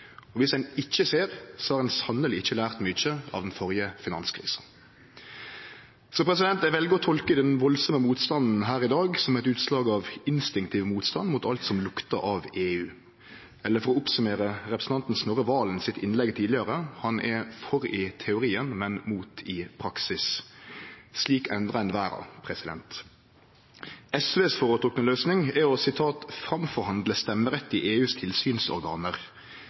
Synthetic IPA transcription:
ɔʋɪsdɛnɪt͡ʃːəseːʁsɔhɑɾɛnsɑnːəlɪɪçːəlæːʁt̪mʏt͡ʃːəɑ̰ʋd̪ɛnfɔɾjəfɪnɑ̰nskʰɾḭːsə | sɔpʰɾɛs̬ɪd̪ɛnt̪æʋɛlɡəɾɔt̪ʰɔlkəd̪ɛnʋɔlsɔməmuːt̪st̪ɑnn̩ɦæːɾɪd̪ɑːɡsɔmæɛt̪ʉːt̪slɑːɡɑʋɪnst̪ɪŋk̚t̪ʰiːʋmuːt̪st̪ɑnd̪mʊt̪ɑlt̪sɔmlʊkt̪ə̰ɾɑʋeːʉː | ɛlːəɾfɔɾɔʊpsʉmeːɾəɾɛpɾəsn̩t̪ɑnt̪n̩snɔɾəʋɑːlnsɪt̪ɪnlɛɡt̪ʰiːd̪ɪəɾəhɑnʔɛfɔɾɪt̪ʰɛʊɾiːənmɛnmuːt̪ʰɪpʰɾɑksɪs | sliːkɛnd̪ɾʁəɛnʋæːɾɑ̰pʰɾɛsɪd̪ɛ̰nt̪ | ɛsʋeːsfɔːɾət̪ʁʊknəløːsnɪŋɛɔsɪt̪ʰɑːt̪fɾɑmfɔɾhɑnd̪ləst̪ɛmːəɾɛt̪ːɪʔeːʉːst̪ʰɪlsyːnsɔ̰ɾɡɑ̰ːnəɾ

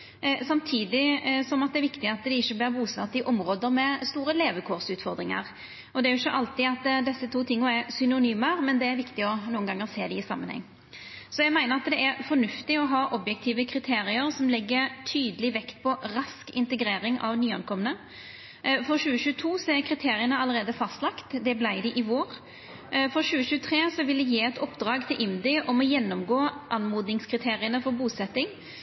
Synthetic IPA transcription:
sɑmt̪ʰiːd̪ɪsɔmɑt̪̚d̪ɛæɾʋɪkt̪ɪɑt̪d̪ɛɪçːəblæːɾbuːsʋɑ̰ʁt̪ɪʔɔmɾoːd̪əmɛst̪uːɾəleːʋəkʰɔʁsʉːt̪fɔɾd̪ɾɪŋə̰ɾ | ʔɔd̪ɛæɾjʊɪçːəʔɑlt̪ɪɑt̪d̪ɛsːət̪ʰuːt̪ʰɪŋːʊɛsʏnʊnyːməɾmɛnd̪ɛæɾʋɪkt̪ɪɔnuːənɡɑŋːəʁseːd̪ɪɪsɑ̰mənhɛ̰ŋː | sɔjæɛɡmæɪnəɾɑt̪d̪ɛʔæɾfɔnʉft̪ɪɔɦɑːʔɔbjɛk̚t̪ʰiːʋəkʰɾɪt̪ʰeːɾɪəɾsɔmlɛɡːəɾt̪ʰyːd̪əlɪʋɛkt̪̚pʰɔɾɑskɪnt̪əɡɾeːɾɪŋʔɑ̰ʋnyːɑnkʰɔmːənə | fɔɕʉːəɕʉːt̪ʰuːsɔɛɾkʰɾɪt̪ʰeːɾɪənəɑlːəɾeːd̪əfɑst̪lɑkt̪d̪ɛblæɪd̪ɪʔɪʋoːɾ | fɔɾɕʉːəɕʉːət̪ʰɾeːsɔʋɪld̪ɛjiːɛt̪ɔpd̪ɾɑːɡt̪ʰɪlʔɪmd̪ɪʔɔmɔjɛnːɔmɡoːʔɑnmuːd̪nɪŋskʰɾɪt̪ʰeːɾɪənəfɔɾbuːsɛt̪ːɪŋ

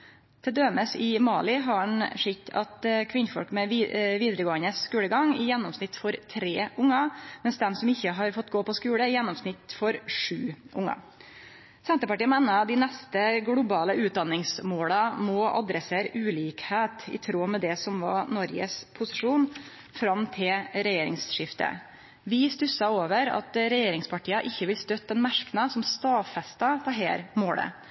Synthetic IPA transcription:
t̪ʰɛd̪øːməsɪmɑːlɪɦɑɳʂɪtːɑ̰t̪kʰʋɪnfɔ̰lkmɛʋiːd̪əɾəɡoːənəsːkʉːləɡɑŋɪjɛnːɔmsnɪt̪ːfɔɾt̪ʰɾeːʔʊŋːɑmɛnsd̪ɛmsɔmɪçːəɦɑɾfɔt̪ːɡoːpɔskʉːɽəɪjɛnːɔmsnɪt̪fɔɾʂʉːʔʊŋːɑ̰ | sɛnt̪əpɑʈiːəmɛnːɑd̪ɪnɛst̪əɡɽʊbɑːləʉːt̪̚d̪ɑnːɪŋsmoːləmɔʔɑ̰d̪ɾɛseːɾʉːliːkheːt̪ɪ̰t̪ʰɾoːmɛd̪ɛsɔmʋɑ̰nɔɾɡə̰spʰʊsɪʂuːn | fɾɑmt̪ʰɪlɾɛjeːɾɪ̰ŋsʂɪft̪ə̰ | ʋɪst̪ʉsɑoːʋəɾɑ̰t̪ɾɛjeːɾɪŋspɑʈʰiːɑʔɪçːəʋɪlst̪øt̪̚ːd̪ɛnmæʂknɑsɔmst̪ɑːʋfɛst̪ɑt̪ʰɑɦɛ̰ːɾmoːlə̰

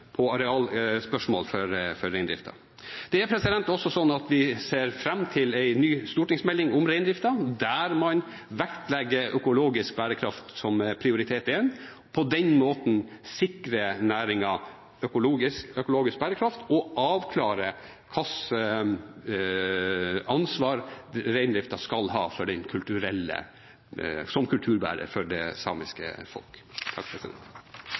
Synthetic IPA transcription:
pʰɔɑɾɛɑːlspœʂmo̰ːlfɔɾfɔɾːæɪnd̪ɾɪ̰ft̪ʰɑ̰ | d̪̥ɛæɾpʰɾɛsɪd̪ɛnt̪ɔsːɔsɔnːɑt̪ʋɪseːɾfɾɛmːt̪ʰɪlæɪnyːst̪uːʈɪŋsmɛlːɪŋʊmɾæɪnd̪ɾɪft̪ɑd̪æɾmɑn | ʋækt̪lɛɡːəʔœkʊloːɡɪsk̚bæːɾəkʰɾɑft̪sɔmpʰɾɪʊɾɪt̪ʰeːt̪ɪɛn | pʰɔd̪ɛnmoːt̪n̩ | sɪkɾənæːɾɪŋɑ | œkʊloːɡɪskœkʊloːɡɪsk̚bæːɾəkʰɾɑft̪ɔʔɑːʋkʰlɑːɾə | kʰɑsə | ɑnsʋɑːɾɾæɪnd̪ɾɪft̪ɑskɑlɦɑ̰ːfɔɖɛnkʰʉlt̪ʉɾɛlːə̰ | sɔmkʰʉlt̪ʰʉːɾbæ̰ːɾə̰fɔɖɛsɑ̰ːmɪskə̰fɔ̰lkt̪ʰɑkpʰɾɛsɪd̪ɛ̰nt̪

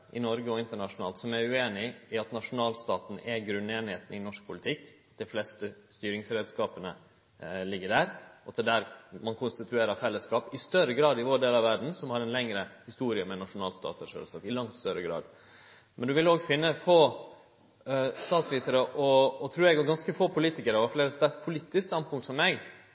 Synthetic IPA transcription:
ʔɪnɔɾɡəɔɪnt̪əɳɑʂʊnɑːlt̪sɔmæɾʉeːnɪɪɑt̪nɑʂʊnɑːlst̪ɑːt̪n̩ɛɡɾʉnːeːnɪheːt̪n̩ɪnɔʂk̚pʰʊlɪt̪ʰɪkːɑt̪̚d̪ɛɪflɛst̪əst̪yːɾɪŋsɾeːd̪skɑːpənə | lɪɡːəɖæːɾɔɑt̪ɛd̪æːɾmɑnkʰʊnst̪ɪt̪ʰʉeːɾəfɛlːəskɑːpɪst̪œɾəɡɾɑːd̪ɪʋoːɖeːlɑʋæɾɖn̩sɔmhɑɾɛnlɛŋɾəhɪst̪uːɾɪəmɛnɑʂʊnɑːlst̪ɑ̰ːt̪ɛʂœ̰ːlskɑ̰ːpɪlɑŋt̪st̪œɾəɡɾɑ̰ːd̪ | mʔɛnd̪ʉʋɪloːɡfɪnːəfoː | st̪ɑːt̪sʋiːt̪ʰəɾəʔɔːt̪ʰɾʉːɾɛɡɔɡɑnskəfoːpʰʊliːt̪ɪkəɾəʋɑfleːɾəst̪ɛt̪pʰʊliːt̪ːɪskst̪ɑnt̪pʊŋt̪sɔmːɛɡ

